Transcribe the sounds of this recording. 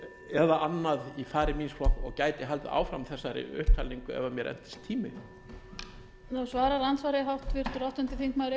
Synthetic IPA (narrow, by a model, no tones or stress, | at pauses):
ɛðaʔanːaðifaːɾɪmiːnsflɔhkɔɣcaːjt̪ɪɦalt̪ɪ̰ʔa̰ːwfɾamθɛsːaɾɪ̰ʏ̰hp̚t̪ʰːalniŋkʏɛ̰vamjɛɾʔɛ̰n̥t̪ɪ̥st̪ʰːiːmɪ | nawsvaːɾaɾant̪svaɾɪɦawht̪vɪr̥t̪ʏɾawht̪ʏnt̪ɪθiŋkmaɾɪ